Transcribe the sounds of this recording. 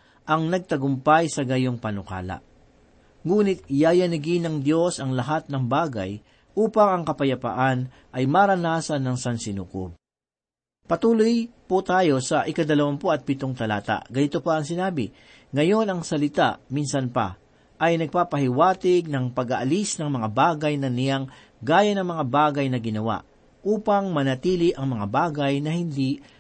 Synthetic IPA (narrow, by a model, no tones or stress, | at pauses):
ʔɐŋnɐɡ̚t̪ɐɡʊmpajsɐɡɐjoŋpɐnʊka̰ːlɐ̰ | ŋuːnɪt̪̚jaːjɐnɐɡinɐŋd̪jo̞sɐŋlɐɦat̪̚nɐŋbaːɡɐ̰j | ʔuːpɐŋɐŋkɐpɐjɐpa̰ʔan | ʔɐjmaɾɐnaːsɐnːɐŋsɐnsɪnuːko̰b̚ | pɐt̪uːlojpʊt̪aːjo̞sɐʔɪkɐd̪ɐlɐwampoɐt̪̚pɪt̪oŋt̪ɐla̰ːt̪a̰ɡɐnɪt̪opɐɐŋsɪnaːbɪ̰ | ŋɐjo̞nɐŋsɐlɪt̪a̰ʔminsɐnpɐ̰ | ʔɐjnɐɡ̚papɐhɪwaːt̪ɪɡ̚nɐŋpɐɡɐʔɐlisnɐŋmɐŋabaːɡɐjnɐnɪjaŋ | ɡaːjɐnɐŋmɐŋabaːɡɐjnɐɡɪnɐwa̰ʔ | ʔuːpɐŋmɐnɐt̪iːlɪʔɐŋmɐŋabaːɡɐjnɐhɪnd̪i